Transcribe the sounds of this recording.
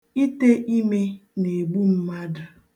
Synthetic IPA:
i˦te˦ʔi˦me˦ne˨ɡ͡bu˦m̩˦ma˦dʊ˨

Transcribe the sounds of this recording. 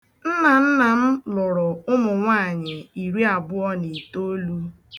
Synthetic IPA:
n̩˦na˨n̩˦na˨m̩˦lɔ˨ɾɔ˨ʊ˦mʊ˨ŋʷa˦˨ɲɪ˨i˨ɾi˦a˨bʊ˦ɔ˦ni˨to˦lu˦

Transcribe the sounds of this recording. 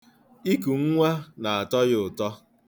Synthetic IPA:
i˦ku˨ŋ̩˦ŋʷa˦na˨a˨tɔ˦jɪ˦ʊ˨tɔ˦

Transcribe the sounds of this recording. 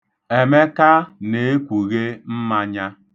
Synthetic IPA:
e˨me˦ka˦ne˨e˦kʷu˨ɣe˦m̩˦ma˦ɲa˦

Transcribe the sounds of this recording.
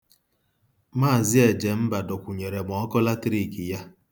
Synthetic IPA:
maː˦˨zɪ˦e˨d͡ʒe˨m̩˦ba˨dʊ˨kʷu˨ɲe˨ɾe˨m˨ɔ˨˦kɔ˦la˦tɾi˨ki˨ja˦

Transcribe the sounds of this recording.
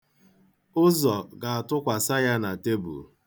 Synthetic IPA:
ʊ˦zɔ˨ɡa˨a˨tʊ˦kʷa˨sa˦ja˦na˨te˦bṵ˨

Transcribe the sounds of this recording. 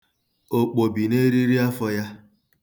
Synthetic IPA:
o˨k͡po˨bi˨ne˦ɾi˦ɾi˦a˦fɔ˦ja˦

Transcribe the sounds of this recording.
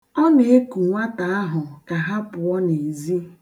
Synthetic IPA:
ɔ˦ne˨e˦ku˨ŋʷa˦ta˨a˦ɦʊ˨ka˨ɦa˦pʊ˨ɔ˦ne˨zi˦

